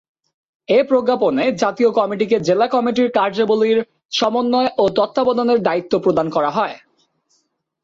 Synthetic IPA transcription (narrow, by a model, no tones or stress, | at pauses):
epɾoɡːaponed͡ʑat̪iokɔmiʈiked͡ʑelakɔmiʈiɾkaɾd͡ʑoboliɾ | ʃɔmonːɔeʔot̪ɔt̪ːabɔd̪oneɾd̪ait̪ːopɾod̪ankɔɾaɦɔe